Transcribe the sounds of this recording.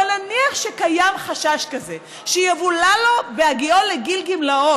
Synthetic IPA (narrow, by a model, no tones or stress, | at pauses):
alnaniaχʃekajamχaʃaʃkaze | ʃijavulalo̞beaɡioleɡilɡimlao